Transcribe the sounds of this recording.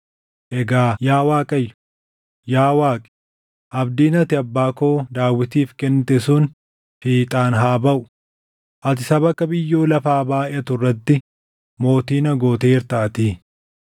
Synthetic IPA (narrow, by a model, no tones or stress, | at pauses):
ʔɛɡaːjaːwaːkʼɐjːʊ̥ | jaːwaːkʼɛ̥ | ʔɐbd̪iːnɐt̪ɪɐbːaːkoːd̪aːwːɪt̪iːfkɛnt̪ɛsuːn | fiːt̪ʼaːnɦaːbɐʔʊ | ʔɐt̪̬ɪsɐbɐkːɐbɪjːoːlɐfaːbaːʔɪɐt̪ʊrːɐt̪ːɪ | mo̞ːt̪iːnɐɡo̞ːt̪eːɪɾt̪aːt̪iː